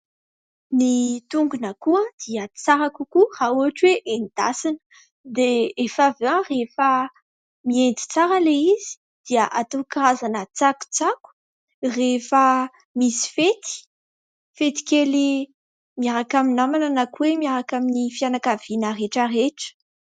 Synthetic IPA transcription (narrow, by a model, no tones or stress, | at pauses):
nit̪uŋɡunəkuəd̪̥iət͡saɾakukurauɦaʈ͡ʂweʔenid̪̥a̰sinə̥ | d̪eefaveãrefə | miend̪i̥t͡saɾəleizi̥ | d̪̥iəʔat̪okirazanət͡saku̥t͡saku̥ | refə | misi̥fet̪i̥ | fet̪i̥kʲeli | miaɾakaminamananakuwemiaɾakaminifianakav̥inəreʈ͡ʂəreʈ͡ʂə̥